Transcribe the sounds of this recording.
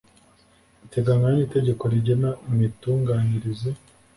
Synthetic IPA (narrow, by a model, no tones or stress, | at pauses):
ite̞ɡaŋanɲiːte̞ɟe̞ko̞ɾiɟenaimituːŋɡaːɲiɾizi